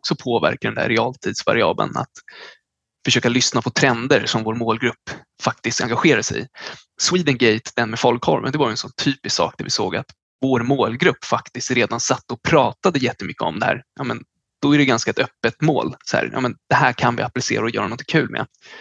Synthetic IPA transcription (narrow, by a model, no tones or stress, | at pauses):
ɔksɔpʰoːvæ̰ɾkad̪ɛnd̪æ̰ɾːɛɑːlt̪ʰiːd̪sva̰ɾɪɑ̰ːblə̰na̰t̪ | fœʂøːkalʏsnapʰɔt̪ʰɾɛnd̪əɾsɔmvoːɾmoːlɡɾɵpː | fak̚t̪ɪst̪a̰ŋɡaɧeːɾad̪əsɛ̰j | swiːd̪ənɡɛjt̪d̪ɛnmɛfɔlkhɔ̰ɾvə̰nd̪ɛvaɾjʏɛnsɔnt̪ʰyːpɪsksɑ̰ːk̚d̪ævɪsoːɡa̰t̪ | voːɾmoːlɡɾɵpːfakt̪ɪst̪ɾeːd̪ansat̪ːɔpʰɾɑːt̪ad̪əjɛt̪ːəmʏkːəɔ̰md̪ɛhæ̰ːɾjɑːmɛn | d̪̥ɔæɖɛɡanskaɛt̪œpːət̪moːlshæ̰ːɾjʔɑ̰ːmɛnd̪̥ɛɦæːɾkʰanvɪ̰aplɪsḛːɾaɔjœːɾanɔnt̪ʰɪ̥ŋkʰʉ̟ːlmɛ̰